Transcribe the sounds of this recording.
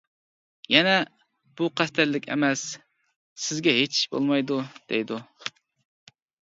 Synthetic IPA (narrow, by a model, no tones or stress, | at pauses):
jɛnɛ | b̥uqʰæst̪ʰæɾlɪkʲḛmɛsː | ɪzɡʲɛɦet͡ʃbo̰lˠmɑjd̪ud̪̥ḛjd̪u